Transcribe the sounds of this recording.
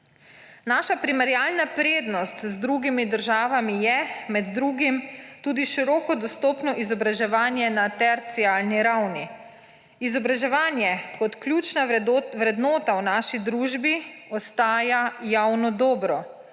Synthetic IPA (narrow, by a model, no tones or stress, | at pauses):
naːʃapɾimɛɾjaːlnapɾeːd̪nɔst̪zd̪ɾuːɡimid̪əɾʒaːʋamijɛmɛd̪ːɾuːɡimt̪uːd̪iʃiɾɔːkɔd̪ɔst̪oːpnɔʔizɔbɾaʒɛʋaːnjɛnat̪ɛɾt̪siaːlniɾawni | izɔbɾaʒɛʋaːnjɛkɔt̪kljuːt͡ʃnaʋɾɛd̪nɔːt̪awnaːʃid̪ɾuːʒbiɔst̪aːjajawnɔd̪ɔːbɾɔ